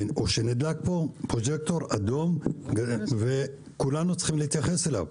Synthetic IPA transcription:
oʃened̪ak̚po̞pʁod͡ʒek̚t̪o̞ʁad̪o̞mɡve | kulanut͡sχimleit̪jaχe̞sela̰v

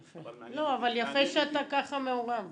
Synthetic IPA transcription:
feloavaljafeʃeat̪akaχameoʁam

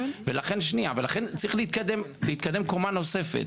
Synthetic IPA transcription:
velaχe̞nʃniavalaχe̞nt͡saʁiχleit̪kad̪e̞mleiːt̪̚kad̪e̞mkomano̞se̞fḛt̪

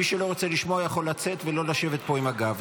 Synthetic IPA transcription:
iʃelo̞ʁot͡seliʃmoajaχo̞lːat͡se̞t̪velo̞laʃe̞ve̞t̪̚po̞imaɡav

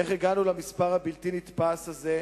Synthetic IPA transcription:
eχeɡanulamispaʁhabilt̪init̪pasaze

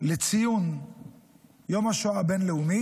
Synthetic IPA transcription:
let͡sijun | jo̞mhaʃoabenleumi

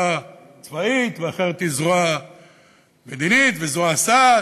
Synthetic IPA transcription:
a | t͡svait̪veaχeʁet̪izʁoa | med̪init̪vezoasa

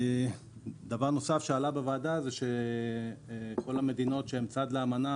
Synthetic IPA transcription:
d̪avaʁno̞safʃealabevaːdazeʃe̞ | ko̞lame̞d̪ino̞tʃeemt͡sad̪leamana

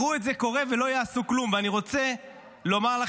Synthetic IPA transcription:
ʁuetzeko̞ʁevelo̞jaːsuklumveaniʁo̞t͡se | lo̞maʁla

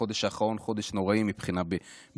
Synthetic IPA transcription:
o̞d̪eʃaχaʁo̞nχo̞d̪eʃno̞ʁaimipχinabe

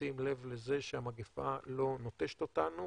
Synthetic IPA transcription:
imle̞vleze̞ʃeamaɡifalo̞not̪eʃe̥t̪otanu

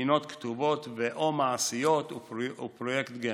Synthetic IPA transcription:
ino̞t̪kt̪uvo̞t̪veʔomaasijo̞t̪uupɾojekt̪ɡe

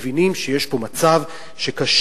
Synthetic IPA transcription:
vinimʃeje̞ʃbo̞mat͡sav | ʃekaʃ

